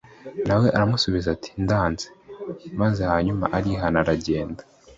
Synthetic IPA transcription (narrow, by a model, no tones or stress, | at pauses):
nawe̞ʔaɾamusuβizatʰi̥ndaːnzemaze̞haɲuma̰ʔaɾiɦanaɾaɟe̞ːndḁ